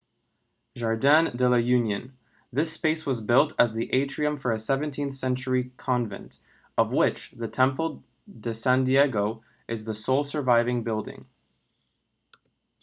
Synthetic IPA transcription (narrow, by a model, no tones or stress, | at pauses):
ʒɑɹdæ̃ndɪlˠəjʉ̃njɨ̃n | ðɪspeɪswʌzbɪlˠtʰɨzðiʔeɪt͡ʃɹ̥iɨ̃ɱfə˞ɨsɛvɨ̃ntʰĩnθsɛ̃nt͡ʃə˞ikʰɑ̃ɱvɨ̰̃nt | ʌvwɪt͡ʃðɨtʰɛ̃mpl̩ˠ | dɨsæ̃ndiɛɡoʊ | ʔɨzðəsoʊlˠsə˞vaɪvɪ̃ŋbɪlˠdɪ̰̃ŋ